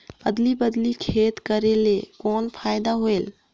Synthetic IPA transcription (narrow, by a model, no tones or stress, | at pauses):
bəd̪libəd̪likʰeːt̪kəɾelekɔːnpʰaːjd̪aɦoel